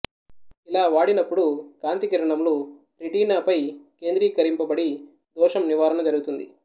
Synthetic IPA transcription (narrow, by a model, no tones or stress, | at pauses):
ilaːʋaːɽinɐpːuɽukaːnt̪ikiɾɐɳɐmlupɾiʈiːnaːpɐjke̞ːnd̪ɾiːkɐɾimpɐbɐɽi | d̪ɔːʂɐmniʋaːɾɐɳɐd͡ʒɐɾuɡut̪und̪ḭ